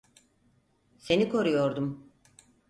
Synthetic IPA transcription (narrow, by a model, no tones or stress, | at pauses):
se̞nikʰo̞ɾujo̞ɾd̪um